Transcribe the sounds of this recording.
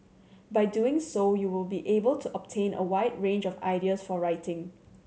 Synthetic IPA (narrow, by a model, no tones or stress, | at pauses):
baɪduɪ̃ŋsojuwɪlbiʔebəltʰuʔəp̚tʰẽnʔə̰waɪdɹẽnd͡ʒɔfa̰ɪdiəsfɔɹaɪtʰɪ̃ŋ